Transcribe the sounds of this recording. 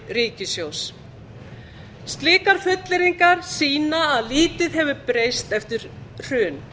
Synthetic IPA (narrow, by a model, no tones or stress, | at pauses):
riːcɪsjows | st̪lɪːkaɾ̥fʏt̪lɪɾiŋkaɾ̥siːnaːðliːt̪ɪðɦɛvʏpɾeːjst̪ɛft̪ɪɾ̥r̥ʏːn